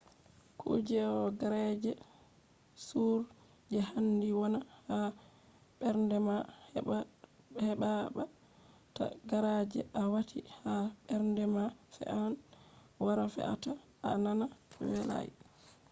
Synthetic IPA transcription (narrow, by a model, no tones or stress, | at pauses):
kʰṵd͡ʒɛɔɡaɾad͡ʒɛ | suɾ | d͡ʒɛhandiwɔnaha | ɓɛɾndɛmah | hɛɓaba | ta̰ɡaɾad͡ʒɛ̰ʔawatʰihaɓɛɾndɛmafɛ̰an | waɾafɛ̰a̰ta | ananawɛla̰j